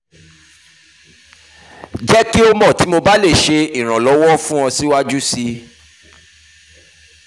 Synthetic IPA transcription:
d͡ʒɛ˦ki˦o˧mɔ̃˦˨ti˨˦mo˧ba˦le˦˨ʃe˧i˨ɾ̃ã˨lɔ˨˦wɔ˦fũ˦ɔ̃˧si˦wa˦d͡ʒu˦si˦

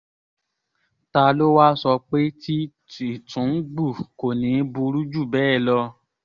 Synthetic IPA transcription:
ta˧lo˦wa˦sɔ˧k͡pe˦ti˦ | i˨tʰũ˨˦n̩˦ɡ͡bu˦˨ko˨nĩ˨˦bu˧ɾu˦d͡ʒu˦˨bɛ˨˦ɛ˦˨lɔ˧

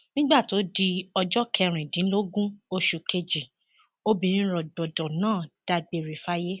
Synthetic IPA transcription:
nĩ˦ɡ͡ba˦˨to˨˦di˧ɔ˧d͡ʒɔ˦kʰɛ˧ɾ̃ĩ˨dĩ˨˦lo˦ɡũ˦o˧ʃu˨kʰe˧d͡ʒi˨ | o˦bĩ˧nĩ˦ɾɔ˨dɔ˨dɔ˨nãː˦˨d̥a˧ɡ͡be˨ɾi˨fa˦je˦

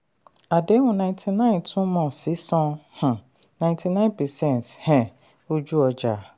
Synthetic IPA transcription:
a˨de˨˦wʊ̃˨nã˨ɪ̃ntʰi˨nã˦˨ɪ̃˨ntʰũ˦mɔ̃˨si˨˦sɔ̃˦h̩˨ | nã˨j̃ntʰi˨nã˦ɪ̃˦npʰɛ˨sɛ̃˦˨n˨thɛ̃˨ | o˦d͡ʒu˦ɔ˨d͡ʒa˨

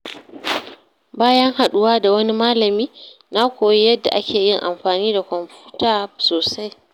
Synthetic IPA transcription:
baː˦jɐ˦ŋɦa˨ɗʊ˦waː˦da˨wɐ˦ni˦maː˦lɐ˨miː˦ | na˦kʷoː˨ji˦jɐ˦dːa̰˨ʔa˦kʲeː˨jɪ˦ŋʔa˨mɸaː˨niː˦da˨kʷɔ˨mɸuː˦taː˦˨soː˨sa˦j

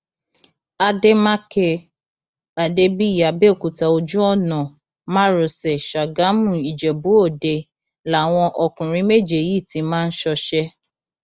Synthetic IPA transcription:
a˧de˦ma˦ke˧ | a˨de˧˦bi˦˨ja˨be˦o˨ku˨ta˨o˧d͡ʒu˦ɔ˦˨nã˨ | mã˦ɾo˨sɛ˨ʃa˨ɡa˨˦mũ˨i˨d͡ʒɛ˨bu˨˦o˦˨de˧ | la˨˦˨w̃ɔ̃˧ʔɔ˧kũ˨ɾ̃ĩ˨˦me˦˨d͡ʒe˨ji˦˨ti˨˦mãː˦˧n̩˦ʃɔ˧ʃɛ˦

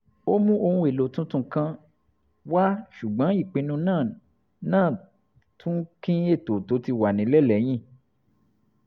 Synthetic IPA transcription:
o˦mũ˦o˧hũ˧e˨lo˨tũ˦tũ˦kã˧ | wa˦ʃu˨ɡ͡bã˨˦i˦˨k͡pĩ˧nũ˧nãː˦˨ | nãː˦˨ | tʰũ˦kĩ˦e˦˨to˨to˨˦ti˧wa˨nĩ˨˦lɛ˦˨lɛ˨˦j̃ĩ˦˨

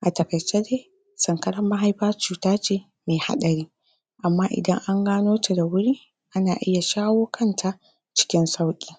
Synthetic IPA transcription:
ʔa˨tɐ˨kɐ˨jt͡ʃːeː˦deː˦ | sɐ˨ŋkɐ˦ɽɐ˦mːa˦ɦa˦jɸaː˦t͡ʃuː˨taː˦t͡ʃeː˨ | meː˨ha̰˦ɗɐ˨ɾiː˦ | ʔa˨mːaː˦ʔɪ̰˨dɐ˦ŋʔa˦ŋɡaː˦noː˦te˨da˨wʊ˦ɽiː˦ | ʔa˦naː˨ʔɪ̰˦ja˨ʃaː˦woː˦kʰɐ˦˨ntʰa˨ʔ | t͡ʃɪ̥˦kʲɪ˦nsa˦wkʲʼiː˦˨

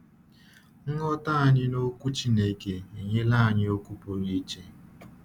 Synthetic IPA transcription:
ŋ̩˦ŋɔ˦ta˦a˨ɲɪ˦no˦kʷu˦t͡ʃi˦ne˦ke˨e˨ɲe˦la˦˨ɲɪ˦o˦kʷu˦po˨ɾi˦t͡ʃe˦

